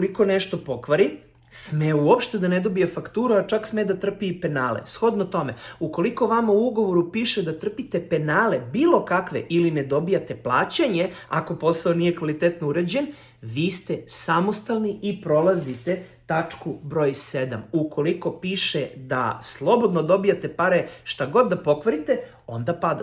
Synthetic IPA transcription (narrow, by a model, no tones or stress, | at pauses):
iko̞neʃt̪o̞po̞kʋaɾi | smeuopʃt̪e̞d̪aned̪o̞bijefakt̪uːɾuat͡ʃaksmed̪at̪r̩piːpe̞naːlḛsxod̪not̪o̞meuko̞liko̞ʋamauuɡo̞ʋo̞ɾupiːʃed̪at̪r̩pit̪epe̞naːlebiːlˠo̞kakʋḛʔilined̪o̞bijat̪eplˠa̰ːt͡ɕaɲeako̞po̞saonije̞kʋalit̪et̪nouɾed͡ʑen | ʋiːst̪esamo̞st̪alˠniipɾo̞lˠazit̪e̞ | t̪at͡ʂkubɾo̞ːjsed̪a̰mukʰo̞liko̞piːʃed̪a̰slˠo̞bo̞d̪nod̪o̞bijat̪epaɾeʃt̪aɡo̞d̪ːapo̞kʋaɾit̪e | o̞̰nd̪apad̪a